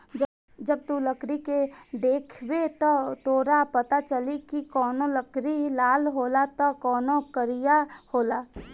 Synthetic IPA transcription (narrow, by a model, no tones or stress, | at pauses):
d͡ʒəb̚t̪uləkɾiked̪eːkʰwet̪ɔt̪oːɾapɐt̪at͡ʃəlikikɔːnoləkɾilaːlɦoːlat̪ɔkɔːnokəɾijahoːlaː